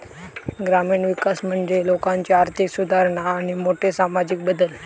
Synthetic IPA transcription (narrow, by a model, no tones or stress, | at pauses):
ɡɾamiːɳʋikasm̤əɳd͡zelokãɲt͡ɕeaɾt̪ʰiksud̪ʱaɾɳaːɽ̃imoʈʰesamad͡ʑik̚bəd̪əl